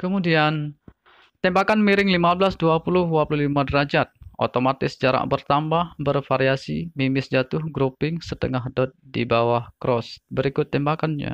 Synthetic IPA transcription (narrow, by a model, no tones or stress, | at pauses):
kəmudian | t̪ɛmbakanmiɾɪŋlimablasduapulʊhwapuluhlimadəɾad͡ʒat̪̚ʔo̰t̪omat̪ɪsd͡ʒaɾa̰ʔbərt̪ambahbərfaɾiasimimɪsd͡ʒat̪ʊhɡɾupɪŋsət̪əŋaɦdɔt̪̚dibawahkɾɔsbəɾikʊt̪ːɛmbakanɲa̰